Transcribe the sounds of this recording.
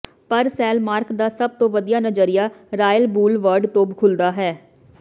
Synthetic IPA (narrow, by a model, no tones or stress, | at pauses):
pəɾsɛːlmaːɾkd̪aːsəb̚t̪õːʋəd̪ijaːnəd͡ʒəɾɪjaːɾaːjəlbuːlʋəɾɖt̪õːbkʰʊld̪aːɦɛː